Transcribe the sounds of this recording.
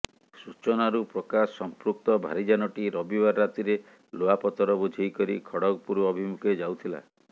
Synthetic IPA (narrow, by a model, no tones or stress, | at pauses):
sut͡ʃɔnaɾupɾɔkasɔmpɾuk̚t̪ɔbʱa̰ɾid͡ʒanɔʈiɾɔbibaɾːat̪iɾe | loapɔt̪ɔɾɔbud͡ʒʱejkɔɾikʰɔɽɔɡɔpuɾuɔbʱimukʰed͡ʒawt̪ʰila̰